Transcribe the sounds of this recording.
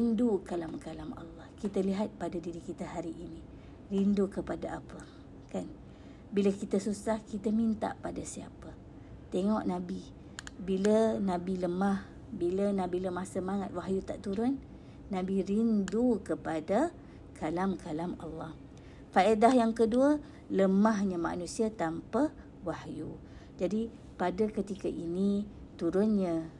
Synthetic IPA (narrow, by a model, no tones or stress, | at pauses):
rindukalamkalamɑ̰lːɑhkit̪əliɦat̪̚padadiɾikit̪əɦaɾiʔini | rindukəpadaapə | kan | biləkit̪əsusahkit̪əmint̪a̰ʔpadasia̰pə | t̪eŋɔʔnabi | bilənabiləmah | bilənabiləmahsəmaŋat̪̚waɦjut̪a̰ʔt̪uɾʊnː | abiɾindukəpada | kʰalamkʰalama̰lːɑh | faedaɦjaŋkəduə | ləmaɦɲəma̰nũsiat̪ampə | wahju | d͡ʒadi | padəkət̪ikəʔinit̪uɾʊnɲə